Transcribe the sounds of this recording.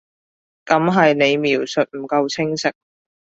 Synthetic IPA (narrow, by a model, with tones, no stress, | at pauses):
kɐ˨˥mɦɐ˨jne˨˧jmiː˨˩wsɵ˨t̚m̩˨˩kɐ˧wt͡sʰɪ˥ŋsɪ˨k̚